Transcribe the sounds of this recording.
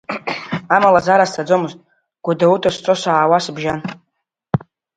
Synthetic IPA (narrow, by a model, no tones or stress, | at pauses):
amalazaɾastʰad͡zomɨztʼ | ɡ̥ʷudautʰast͡sʷʼosaʕawasbʒan